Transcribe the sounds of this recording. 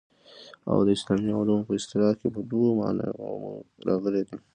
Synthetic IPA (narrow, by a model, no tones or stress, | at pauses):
a̰wd̪əɪslɑmialumpəɪst̪ɪlɑkepəd̪omɑ̰na̰amuɾɑɣəled̪a